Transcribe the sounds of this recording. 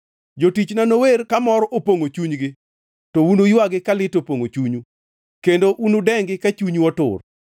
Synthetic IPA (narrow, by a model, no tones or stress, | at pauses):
d͡ʒotit͡ʃnanowerkamɔɾɔʔopoŋot͡ʃuɲɡɪ | tɔunojwaɡɪkalɪtopoŋot͡ʃuɲu | kendoʔunodɛŋɡɪkat͡ʃuɲuɔtʊ̰r